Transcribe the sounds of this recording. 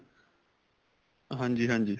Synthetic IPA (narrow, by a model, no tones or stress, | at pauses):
ɦãːɲd͡ʑiːɦãːɲd͡ʑiː